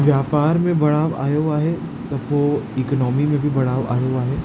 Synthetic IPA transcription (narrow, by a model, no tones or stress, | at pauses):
ʋjaːpaːɾmẽbɐɽaːʋa̰ːjoaɦe | t̪ɐbʋoiːkɔnɔːmimẽbʱibɐɽaːʋa̰ːjoaɦɛː